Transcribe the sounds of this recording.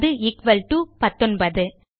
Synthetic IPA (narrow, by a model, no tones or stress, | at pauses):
ðɯɪkʋɐlʈuːpɐt̪ːɔnbɐðɯ